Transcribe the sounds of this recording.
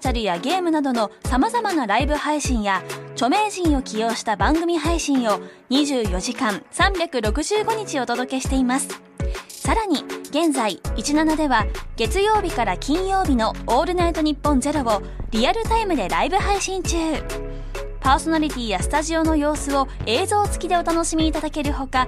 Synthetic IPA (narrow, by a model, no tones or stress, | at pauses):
t͡ɕaɾɯ̟jaɡe̞ːmɯ̟nad̪o̞no̞samazamanaɾaibɯ̟haiɕĩɰ̃jat͡ɕo̞me̞ːʑĩɰ̃o̞kʲijo̞ːɕi̥t̪abãŋɡɯ̟mʲiɦaiɕĩɰ̃o̞ɲ̟iʑɨːjo̞ʑikãɴsãmbʲakɯ̟ɾo̞kɯ̟ʑɨːɡo̞ɲ̟it͡ɕiot̪o̞d̪o̞ke̞ɕi̥t̪e̞imasɨ̥ | saɾaɲ̟iɡ̥ẽ̞nzaiit͡ɕinanad̪e̞βaɡ̥e̞t͡sɨjo̞ːbʲikaɾakʲĩɰ̃jo̞ːbʲino̞oːɾɯ̟nait̪o̞ɲ̟ipːõ̞nze̞ɾo̞bo̞ | ɾʲiaɾɯ̟t̪aimɯ̟d̪e̞ɾaibɯ̟ɦaiɕĩɲt͡ɕɨː | paːso̞naɾʲit̪ʲiːjasɨ̥t̪aʑio̞no̞jo̞ːsɨo̞e̞ːzo̞ːt͡sɨ̥kʲid̪e̞o̞t̪ano̞ɕimʲiːt̪ad̪ake̞ɾɯ̟ho̞ka